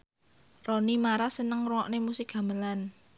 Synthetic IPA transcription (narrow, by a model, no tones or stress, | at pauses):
ronimaɾasənəŋruwɔʔnemusɪk̚ɡ̥a̤məlan